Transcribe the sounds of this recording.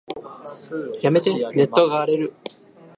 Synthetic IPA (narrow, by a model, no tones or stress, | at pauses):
jame̞t̪ene̞t̪ːo̞ɡaːɾe̞ɾɯ̟